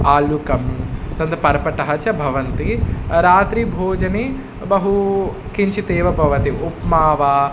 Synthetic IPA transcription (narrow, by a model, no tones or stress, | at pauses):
aːlukɐmt̪ɐnd̪ɐpɐɾɐpɐʈɐɦɐt͡ʃɐbʱɐʋɐnt̪iɾaːt̪ɾibʱoːd͡ʒɐne | bɐɦu | kiɲt͡ʃit̪eːʋɐbʱɐʋɐt̪iʔupmaːʋaː